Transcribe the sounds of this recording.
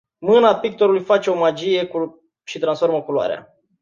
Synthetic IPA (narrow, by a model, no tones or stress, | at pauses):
mɨnapik̚t̪o̞ɾulujfat͡ʃe̞o̞mad͡ʒije̞ku | ʃit̪ɾansfo̞rməkuloa̰ɾea̰